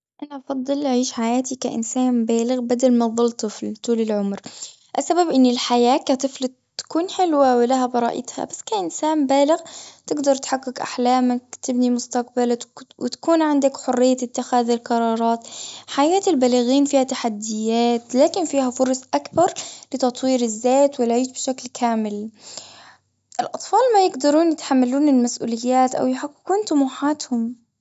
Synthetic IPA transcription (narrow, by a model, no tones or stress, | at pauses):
ʔanaʔɑfɑd̪ˤːɨlʔaʕiːʃħajaːt̪ikaʔɪ̰nsaːmbaːlɪɣbad̪almaðˤʊlt̪ˤɨflt̪uːlɪlʕʊmɾ | ʔasːababʔɪnːɪlħajaːkat̪ˤɨfl | t̪ːkuːnħɪlwawɪlaɦabɑɾˤɑ̰ːʔɪ̰t̪ha̰basːkaʔɪnsaːmbaːlɪɣt̪ɪɡd̪ɑɾˤt̪ħaɡːɪkʔa̰ħlaːmakt̪ɪbnimʊst̪aq̚balawɪt̪ḁkuːnʕɪnd̪akħʊrːɪjːat̪ɪt̪ːɪxaːðɪlqɑɾˤɑːɾˤɑːt̪ħajaːt̪ɪlbalaɣiːnfiːhat̪aħad̪ːɪjːaːt̪laːkɪnfiːhafʊɾˤsˤʔakbɑɾˤlɪt̪ɑt̪ˤwiːɾɪzːeːt̪wɪlʕiːt̪bɪʃaklkʰaːmɪl | ʔɪlʔɑt̪ˤfɑːlmajɪɡd̪ɑɾˤuːnjɪt̪ħamːaluːnɪlmasʔṵːlɪjːaːt̪ʔa̰wjħaqːɪkuːnt̪ʊmuːħaːt̪hʊm